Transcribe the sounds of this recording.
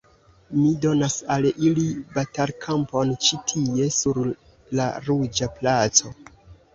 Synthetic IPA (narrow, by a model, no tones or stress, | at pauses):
mido̞nasalilibatalkʰampo̞nt͡ʃitʰie̞suɾ | la̰ɾud͡ʒaplat͡so̞